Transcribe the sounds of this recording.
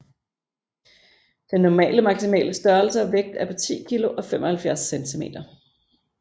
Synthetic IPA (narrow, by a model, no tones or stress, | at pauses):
d̥enːɒmɛ̰ːləmɑ̈ɡ̥simɛ̰ːləsd̥ɶɐlsəæʋeɡ̥̚d̥æpʰɒ̽t͡sʰḭːkʰilo̝ʔɒ̽femɒ̽hælfjæɐsːent͡sʰime̝̰ːd̥ɐ